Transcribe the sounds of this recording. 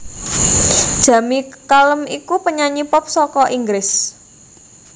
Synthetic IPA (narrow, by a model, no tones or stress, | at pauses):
d̥ʒ̥a̤mikaləmikupəɲaɲipɔp̚sɔkɔʔiŋɡɾɪs